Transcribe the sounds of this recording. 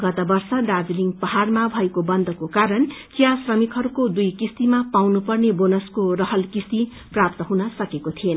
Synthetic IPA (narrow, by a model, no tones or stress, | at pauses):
ɡʌt̪ʌbʌrsʌɖad͡zliŋɡpʌɦarmabʱʌekobʌnd̪ʱʌkokaɾʌnkijasrʌmikɦʌɾukod̪ujkist̪imapawnupʌrnebonʌskorʌɦʌlkist̪i | prap̚t̪ʌɦunʌsʌkekot̪ʰien